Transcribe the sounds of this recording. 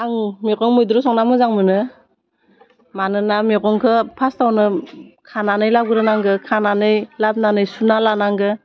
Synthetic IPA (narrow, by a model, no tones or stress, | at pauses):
aŋmekɔŋmujd̪ɾɔsɔŋnamɯzaŋmɯnɯ | manɯnamekɔŋkʰɯpʰastʰawnɯkʰananɯjlab̚ɡɯɾɯnaŋɡɯkʰananɯjlap̚nanɯjsunalanaŋɡɯ